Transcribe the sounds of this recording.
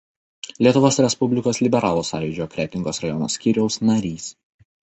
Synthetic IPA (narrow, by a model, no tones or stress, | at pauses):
lʲiɛt̪ʊʋoːsɾʲɛspʊbʲlʲɪkoːslʲɪbʲɛɾɑːlˠoːsɑ̰ːjʊd͡ʒʲoːkɾʲɛt̪ʲɪŋɡoːsɾɐjɔno̰ːsʲkʲiːɾʲɛʊsnɐɾʲiːs